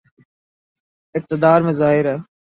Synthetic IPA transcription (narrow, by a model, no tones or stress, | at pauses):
ɪk̚t̪ɪd̪aːɾmẽːzaːɦɪɾɛː